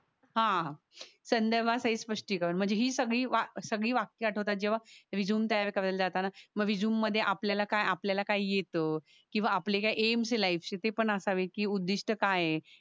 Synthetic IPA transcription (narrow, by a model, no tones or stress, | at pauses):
ɦã | sənd̪əɾbʱasəɦiːspəʂʈiːkəɾənm̤əɳd͡zd͡ʑeɦiːsəɡɭiːʋasəɡɭiːʋakːjaʈʰot̪at̪̚d͡ʑeʋ̤aʋid͡zuːmt̪jajaʋekaʋəeld͡zat̪anaməɡʋid͡zuːmːəd̪ʱːjeʔapljalakajapljalakaijet̪ə | kĩw̃ʋaːplekajʔemselaifset̪epəɳəsaʋekiːud̪ːiʂʈəkaje